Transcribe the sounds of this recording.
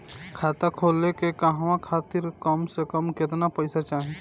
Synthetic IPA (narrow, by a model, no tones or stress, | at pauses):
kʰaːt̪akʰoːlekekaɦʋãkʰaːt̪ɪɾkəmsekəmkɪt̪napəɪsat͡ʃaːɦẽ